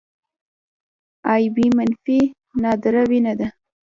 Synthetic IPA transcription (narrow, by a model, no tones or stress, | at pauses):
ɑjbimanfi | nɑd̪ɾawinad̪a